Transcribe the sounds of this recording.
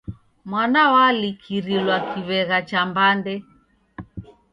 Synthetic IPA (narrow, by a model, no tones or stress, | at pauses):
mwanawalikʰiɾilwakʰiβɛɣat͡ʃambandɛ